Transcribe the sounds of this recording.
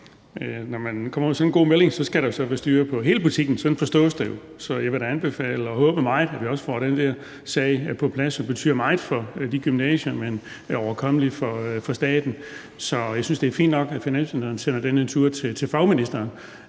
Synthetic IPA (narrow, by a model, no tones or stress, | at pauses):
nɒmænkʰɒ̽m̰ɐmesɒ̽nnɡ̥o̝̰ːmele̝ŋsɒ̽sɡ̥æɾ̥ɑ̈jo̝sɒ̽ʋæsd̥yːɐpʰɒ̽ɦe̝ːləb̥ut͡sʰiɡ̥n̩sɒ̽d̥en̩fɒ̽sd̥ɔ̰̽ːsd̥æjo̝ | sɒ̽jɑʋe̝ɾæænb̥e̝fɛ̰ːləɒ̽ɦɔ̽ːb̥əmɑ̈ɪð̩ˠæʋiɒ̽sə̥fɒ̰ːɾ̥end̥ɛɐ̰ | sɛɪpʰɒ̽pʰlæsɒ̽b̥e̝t͡sʰy̰ːɐmɑ̈ɪð̩ˠfɒ̽d̥iɡ̥ymnɛ̰ːɕɐmen | ɒʊɐkʰɒ̽m̰lifɒfɒ̽sd̥ɛ̰ːd̥n̩ | sɒ̽jɑ̈ɪsynsd̥e̝æɐfḭnd̥nɒ̽ɡ̥æfinæn̰sminidɐn̩sen̰ɐd̥enæt͡sʰuɐ̰t͡sʰe̝t͡sʰe̝fɑ̈ʊminisd̥ɐːn